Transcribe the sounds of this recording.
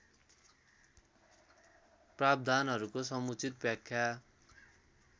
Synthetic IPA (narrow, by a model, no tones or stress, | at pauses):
prab̚d̪ʱanɦʌɾukosʌmut͡sit̪̚bjakʰja